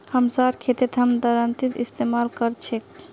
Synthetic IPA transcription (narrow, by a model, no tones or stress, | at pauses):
həmsaɾkʰet̪et̪ɦəmd̪əɾənt̪it̪ḭst̪emalkəɾt͡ʃʰek